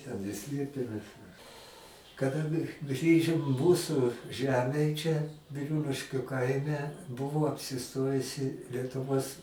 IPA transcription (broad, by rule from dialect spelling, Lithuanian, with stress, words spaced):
ˈtʲɛn ɪr ˈsʲlʲeːpʲeːmʲɛs mʲɛs kɐˈdɐ ɡʲɪ ˈɡrʲiːʒʲɪm ˈmuːsʊ ˈʒʲæːmʲeːj ˈt͡ʃʲɛ bʲɪˈruːlʲɪʃʲkʲʊ ˈkɐɪmʲɛ ˈbʊʋoː ɐpʲsʲɪˈstoːjʊsʲɪ lʲiɛtʊˈʋoːs